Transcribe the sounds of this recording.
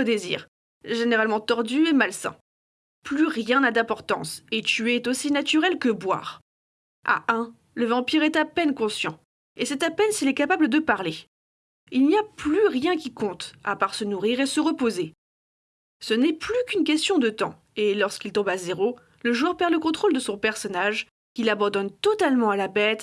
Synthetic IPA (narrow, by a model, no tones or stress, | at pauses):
əd̪ezḭːʁ | ʒeneʁalmɑ̃t̪ɔʁd̪yɛmalsɛ̰̃ | plyʁjɛ̃nad̪ɛ̃pɔʁt̪ɑ̰̃set̪yeɛt̪osinat̪yʁɛlkəbwa̰ːʁ | a̰ʔɛ̃ | ləvɑ̃piʁɛt̪apɛnkɔ̃sjɑ̰̃ | esɛt̪apɛnsilɛkapabləd̪əpaʁle | ilniaplyʁjɛ̃kʲikɔ̃t̪a̰paʁsənuʁiʁesəʁəpoze | sənɛplykynk̬ʲɛst̪jɔ̃d̪ət̪ɑ̰̃ | elɔʁskilt̪ɔ̃bazeʁo | ləʒuœʁpɛʁləkɔ̃t̪χold̪əsɔ̃pɛʁsɔnaʒ | kʲilabɑ̃d̪ɔnt̪ɔt̪almɑ̃alabɛt̪